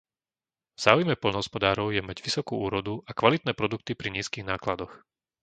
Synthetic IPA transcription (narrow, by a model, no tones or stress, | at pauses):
vz̥aːujmɛpɔlʎnɔɦɔspɔd̪aːɾɔʊjɛmaɟʋisɔkṵːuːɾɔd̪uʔakʋalit̪̚nɛːpɾɔd̪uk̚t̪ipɾiɲiːskiːɣnaːklad̪ɔx